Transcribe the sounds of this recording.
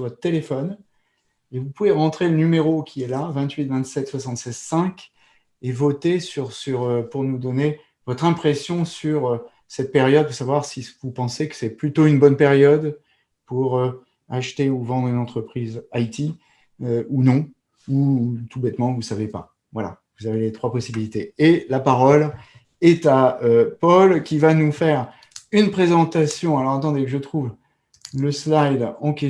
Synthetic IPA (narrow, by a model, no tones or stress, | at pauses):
swat̪ːelefɔn | evupuveʁɑ̃t̪χelənymeʁokʲʰiɛlavɛ̃t̪ɥit̪vɛ̃t̪sɛt̪swasɑ̃t̪sɛzsɛ̃kʲ | evɔt̪esyʁsyʁøpuʁnud̪ɔne | vɔt̪χɛ̃pχesjɔ̃syʁø | sɛt̪̚peʁjɔd̪̚puʁsavwaʁsivupɑ̃sekə̥sɛplyt̪oynbɔnpɛʁjɔd̪ | puʁø | aʃt̪euvɑ̃d̪ʁynɑ̃t̪χəpχizajt̪i | øunɔ̃ | ut̪ubɛt̪mɑ̃vusavepa̰ | vwala̰vuzavelet̪χwapɔsibilit̪eːlapaʁɔl | ɛt̪aøpɔlkʲivanufɛʁ | ynpχezɑ̃t̪asjɔ̃alɔʁat̪ɑ̃d̪ekəʒət̪χuv | ləslajd̪ɑ̃kʲe